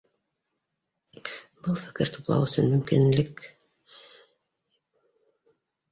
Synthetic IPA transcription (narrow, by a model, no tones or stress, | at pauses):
bɤlˠfɘ̥̆kɘɾt̪u̥plˠɑ̰wɵ̆sɵnmɵ̆mkinlɘk